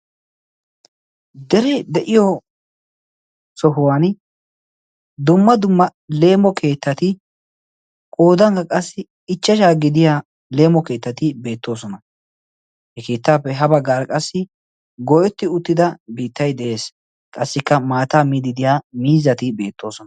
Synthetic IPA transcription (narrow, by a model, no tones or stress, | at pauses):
d̪ɛɾɛd̪ɛʔɪjɔ | sɔɦʊwaːn | d̪ʊmːɐd̪ʊmːɐle̞ːmɔkʰe̞ːt̪ːɐt̪ɪ | kʼo̞ːd̪ɐŋɡɐkʼɐsːɪ | ɪt͡ʃːɐʃaːɡɪd̪ɪjaː | le̞ːmɔke̞ːt̪ːɐt̪ɪbe̞ːt̪ːo̞ːsɔnɐ | hɛke̞ːt̪ːaːpːɛɦɐbɐɡaːɾkʼɐsːɪ | ɡɔjɔt̪ːɪʊt̪ːɪd̪ɐbiːt̪ːɐjd̪ɛʔe̞ːs | kʼɐsːɪkːɐmaːt̪aːmiːd̪ɪd̪ɪjaːmiːzɐt̪ɪbe̞ːt̪ːo̞ːsɔnɐ